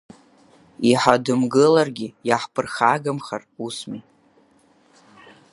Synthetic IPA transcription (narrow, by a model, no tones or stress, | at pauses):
iħadɨmɡɨlarɡʲijaħpʰɨrχaɡamχa̰rusmi